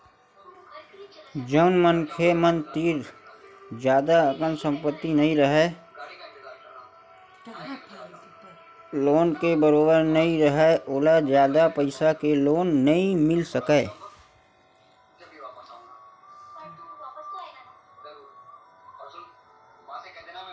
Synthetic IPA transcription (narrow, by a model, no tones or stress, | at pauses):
d͡ʒəːnmənkʰemənt̪iːɾ | d͡ʒjaːd̪aəkənsə̃mpət̪ːinəɦĩɾəɦɛː | loːnkebəɾoːbəɾnəɦĩɾəɦɛʔoːlad͡ʒjaːd̪apəɪsakeloːnːəɦĩmɪlsəkeː